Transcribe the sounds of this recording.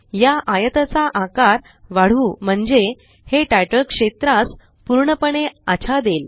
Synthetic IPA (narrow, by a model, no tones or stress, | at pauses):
jaʔajət̪at͡saʔãkaɾ | ʋaɽ̤uːm̤əɳd͡ze | heʈajʈəkʂet̪ɾat͡s | puɾɳəpəɳeat͡ɕʰad̪el